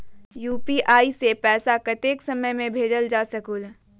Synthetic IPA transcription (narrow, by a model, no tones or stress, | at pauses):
juːpiʔaːisepɛːsakɐt̪eːksɐməjmẽbʱeːd͡ʒəld͡ʒaːsɐkul